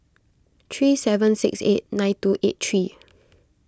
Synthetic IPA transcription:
t̪ʰɹiːsɛvə̃nsɪksḛt̚nãɪ̃ntuʔettʰɹi

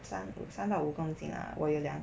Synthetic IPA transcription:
sanṵsant̪ɑʊukʊŋt͡ɕḭŋɐ̰wʔɔ̰joʊljɑŋ

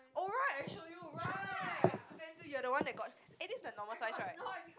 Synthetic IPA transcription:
ʔɔɹaɪt̚ãʃojoɹaɪsdɛ̃ntujuədəwãndɛt̚ɡ̥ɔt̚ɪtɪsnənɔməlsaɪsɹaɪt

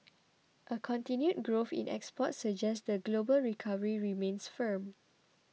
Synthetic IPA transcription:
ʔəkʰɔ̃ntĩnjut̚ɡɹofḭ̃nʔɛ̰kspɔtsəd͡ʒɛstdəɡlobəlɹikʰavəɹiɹimẽnsfəm

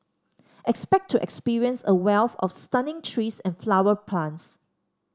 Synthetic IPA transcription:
ʔɛkspɛk̚tʰːuʔɛkspiɹiə̃nsəwɛlθɔ̰fstãnɪ̃ŋtʰɹiːsɛ̃nflawəpʰlãns

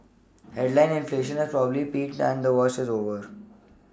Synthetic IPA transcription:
heɖlãɪ̃nɪ̃nfleːʃə̃nɪzpɾɔːbəblipiːʈɖæ̰̃ɳɖd̪əʋɔːsʈɪzoːʋəɾ

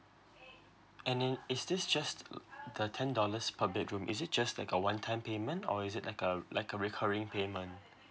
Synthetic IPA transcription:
ɛ̃nɪsdɪsd͡ʒastdətʰɛ̃ndɔləspʰablɪkɹũmʔɪ̰sɪt̚d͡ʒastlaɪkəwãntʰãɪ̃mpemə̃ntɔ̰ɪzɪt̚laɪkəlaɪkəɹikʰəɹɪ̃ŋpʰeːmə̃nt

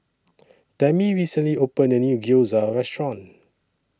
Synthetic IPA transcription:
tɛmiɹisə̃nliopə̃ndənjuɡilzaɹɛstɹɔ̃n

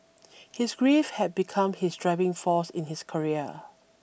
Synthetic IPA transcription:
hɪsɡɹefhɛt̚bikʰãmhɪsdɹavɪ̃ŋfɔsɪ̃nhɪskʰəɹiə̰

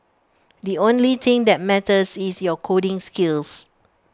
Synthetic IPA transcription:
diõnlit̪ʰɪ̃ŋdɛt̚mɛtəsisjɔkʰodɪ̃ŋskils

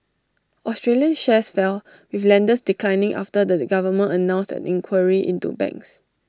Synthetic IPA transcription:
ʔɔstɹeliə̃nʃɛsfɛl | wiflɛ̃ndəsdikʰlãjnĩŋʔa̰ftədəɡavəmə̃nənãʊ̃nstɛ̰̃nĩŋkʰwəɹiʔḭ̃ntṵbɛ̰̃ŋks

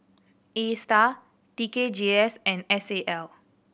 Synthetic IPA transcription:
esta | tiked͡ʒiɛsɛ̃nɛseʔɛl

